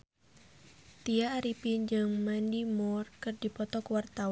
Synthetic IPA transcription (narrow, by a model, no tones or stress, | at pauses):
t̪iaːɾipind͡ʒɨŋmandimɔrkɨrdipɔt̪ɔkuwart̪aw